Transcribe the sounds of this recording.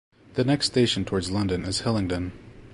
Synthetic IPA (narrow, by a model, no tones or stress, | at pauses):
ðɨnɛkststeɪʃn̩tʰɔɹdzlʌ̃ndɨ̃nɨz̥hɛlˠɪ̃ŋtɨ̃n